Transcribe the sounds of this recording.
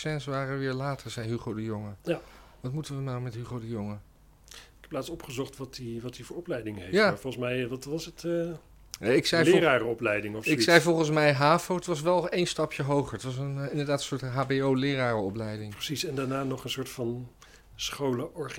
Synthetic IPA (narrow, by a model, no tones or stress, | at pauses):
sɛnsəʋaːrəʋɪːɹlaːtʰəɹzɛjɦyχodəjɔŋəjaʋɑtmutəʋənawmɛtɦyχowdəjoŋə | ɪkɛplaːtsɔpχəzɔχtʋɑtiʋɑtdivʊːɹɔplɛjdɪŋɦejaːafɔlˠənsmɛjʋɑtʋɑsət | nɛɪksɛjlːraːrəɔplɛjdɪŋɔfɪsɛjfɔlˠχəns̬mɛjɦaːvoətʋɑs̬ʋɛlˠejnstɑpʰjəɦowχəɹətʋɑs̬ənɪndəɹdaːtənsʊːɹtɦaːbeowlɪːraːrəɔplɛjdɪŋpəsisɛndaːɹnaːnɔχənsʊːtfɑn | sχowləʔɔɹχ